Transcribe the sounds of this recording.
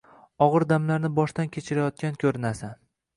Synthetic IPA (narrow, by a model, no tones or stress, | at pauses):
ɒʁɨɾd̪amlaɾnɪbɒʃt̪ankʲʰet͡ʃʰɪɾajɒt̪̚kʲankʲʰɵɾɪnasan